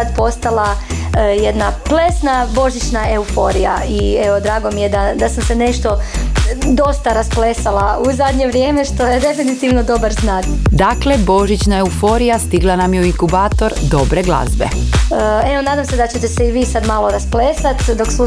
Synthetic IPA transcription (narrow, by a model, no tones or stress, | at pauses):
ad̪po̞st̪alˠajed̪naplesnabo̞ʒit͡ʃnaeufo̞ɾija̰ieʋo̞d̪ɾaːɡo̞mije̞d̪ad̪asamse̞ne̞ʃt̪o̞ | d̪o̞st̪aɾasplesalˠauzad̪ɲeʋɾje̞ːme̞ʃt̪o̞je̞d̪e̞finit̪iʋno̞d̪o̞baɾznat̪d̪aklebo̞ʒit͡ʃnaeufo̞ɾijast̪iɡlˠanamjeuiŋkubaːt̪o̞ɾd̪o̞bɾeɡlˠa̰zbḛəeo̞naːd̪amsed̪at͡ɕe̞t̪e̞seiʋiːsad̪maːlˠo̞ɾaspleːsat̪d̪o̞ksu